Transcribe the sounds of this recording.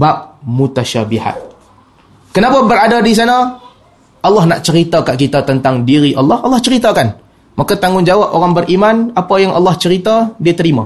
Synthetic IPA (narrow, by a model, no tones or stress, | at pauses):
bap̚mut̪aʃabiha̰t̪̚ | kənapabəɾadadis̬ana | ʔɑlːɑhnaʔt͡ʃəɾit̪akaʔkit̪at̪ənt̪aŋdiɾiʔɑlːɑhɑlːɑht͡ʃəɾit̪akan | makat̪aŋʊŋd͡ʒawapoɾaŋbərʔimanapajaŋʔɑ̰lːɑht͡ʃəɾit̪adiət̪əɾima